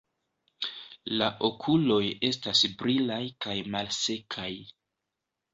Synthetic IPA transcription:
laʔo̞kʰulo̞je̞stasbɾilajkajmalse̞kʰaj

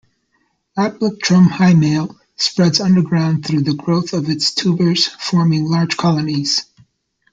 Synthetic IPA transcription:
æt̚ək̚tʰɹ̥ʌ̃mhaɪmeɪlˠ | spɹɛdzʌ̃ndə˞ɡɹãʊ̃nθɹʉðɨɡɹoʊθʌvɨtstʰubə˞z̥fɔɹmɪ̃ŋlɑɹd̥ʒ̥kʰɑlˠəniz̥

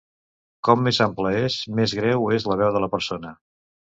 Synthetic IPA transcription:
kɔmːezampləesmezɣɾɛwezləβ̞ɛwðələpəɾsonə

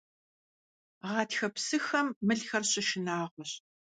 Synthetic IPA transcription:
ʁɑːtxɐpsɨxɐmːɨɮxɐrɕɪʃɪnaːʁʷɔɕ

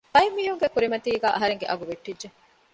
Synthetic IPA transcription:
ɐjmːiɦuŋɡekuɾimɐt̪iːɡæːʔɐɦɐɾeŋɡḛʔɐɡuʋeʈːidd͡ʒe

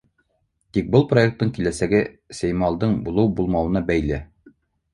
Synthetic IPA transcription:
t̪ik̚bɤlˠpro̞ek̚t̪ːɤɴŋkilæsæɡɘsæjmɑlˠd̪ɤɴbulˠɤwbulˠmɑwɤ̆nɑbæjlɘ

